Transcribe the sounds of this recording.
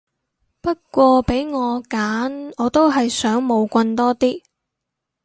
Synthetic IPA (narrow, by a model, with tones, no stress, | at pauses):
pɐ˥t̚kʷɔː˧pe˨˥jŋɔː˨˧kaː˨˥nɔː˨˧t̪o˥wɦɐ˨jsœː˨˥ŋmo˨˧wkʷɐ˧nt̪ɔː˥t̪iː˥